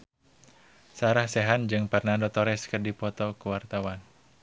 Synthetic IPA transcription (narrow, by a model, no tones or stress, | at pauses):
saɾahsɛɦand͡ʒɨŋpərnandɔt̪ɔɾɛskərdipɔt̪ɔkuwart̪awan